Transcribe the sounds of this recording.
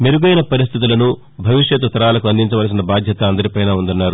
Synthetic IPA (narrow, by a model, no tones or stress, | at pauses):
meɾuɡɐjnɐpɐɾist̪ʰit̪ulɐnu | bʱɐʋiʂjɐt̪ut̪ːɐɾaːlɐkuɐnd̪iɲt͡ʃɐʋɐls̬inɐbaːd̪ʱjɐt̪ɐɐnd̪ɐɾipɐjnaːund̪unːaːɾu